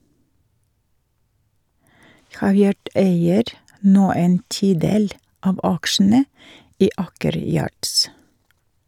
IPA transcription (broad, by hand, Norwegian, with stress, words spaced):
ˈhɑːˌʋjɑːɖ ˈeɪəɾ ˈnoː ˈeːn ˈtiːˌdeːl ˈɑːʋ ˈɑkʃn̩ə ˈiː ˈɑːkəɾ ˈjɑːɖs